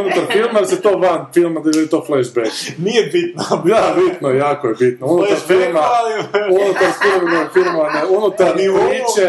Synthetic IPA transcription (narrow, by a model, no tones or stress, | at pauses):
unut̪aɾfilˠmd̪alset̪oːʋanfilˠmad̪add̪it̪oːflɛʃbeknijebit̪nad̪abit̪nojaːkojebit̪nounut̪aɾfilˠmaunut̪aɾfilˠmnofilmaaneunut̪aɾɾiːt͡ʃe